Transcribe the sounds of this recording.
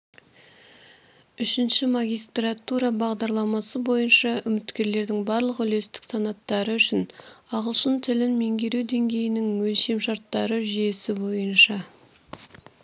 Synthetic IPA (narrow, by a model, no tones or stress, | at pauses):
ʏʃɪnʃɪmaɡʲijst̪rɑt̪uɾɑbɑʁd̪ɑɾlˠɑmɑsəbo̞jənʃɑʏmɪt̪kʲe̞ɾle̞ɾd̪ɪŋbɑɾlˠəqʏle̞st̪ɪ̥ksɑnɑt̪ːɑɾəʏʃɪnɑʁəlˠʃənt̪ʰɪlɪnme̞ŋɡʲe̞ɾewd̪e̞ŋɡʲe̞jɪnɪŋwɵlʃe̞mʃɑɾt̪ːɑɾəʒijesɪbo̞jənʃɑ